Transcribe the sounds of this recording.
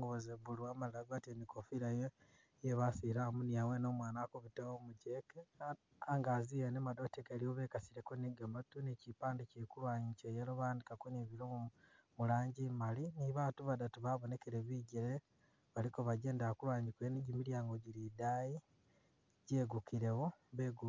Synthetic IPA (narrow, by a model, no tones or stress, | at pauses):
ŋɡoβozeβuluamallaɡatiemikofiɾajo | jeβasiɾamuniawenomwaːnakoβitewomuɟeke | aŋɡazijenemado̞teɡaliwoβekasiɾekoniɡematunecipaːndicikulwaːɲit͡ʃejeloβaːndikakoniβiɾomu | mulaːɲɟimaliniβatuβadatuβaβone̞keɾeβiːɟeɾe | βalikoβaɟe̞ːndakulwaːɲikweniɟimiljaːŋɡoɟiɾidaji | ɟeɡukiɾewoβeɡu